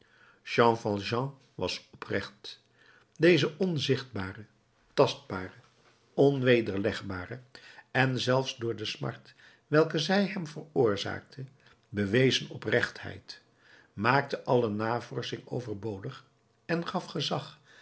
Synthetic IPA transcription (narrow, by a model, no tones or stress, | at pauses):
ʒɑ̃fɑlˠʒɑ̃ | ʋɑsɔprɛχt | dejzəʔɔnzɪχd̚baːrə | tɑst̚baːrə | ɔnʋejdəɹlɛχbaːrəɛnzɛlˠfzdʊːɹdəsmɑ̰ɹt | ʋɛlˠkəzɛjɦɛmvərʊːɹza̰ːk̚tʰə | bəʋejzənɔprɛχthɛ̰jt | maːk̚təʔɑlənaːvɔɹsɪŋowvəɹbowdəχ | ɛnχɑfχəzɑχ